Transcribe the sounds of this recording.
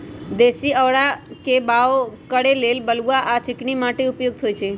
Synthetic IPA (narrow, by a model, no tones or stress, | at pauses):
d̪esiəʋɽakebaokəɽelelbəluʋaʔat͡ʃɪknimaʈeupjoɡ̚t̪ʰojt͡ʃʰe